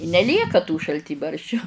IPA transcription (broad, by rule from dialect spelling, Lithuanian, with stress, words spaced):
ɪ nʲɛˈlʲiɛkɐ tuː ʃɐlʲˈtʲiːbɐrʲʃʲt͡ʃʲʊ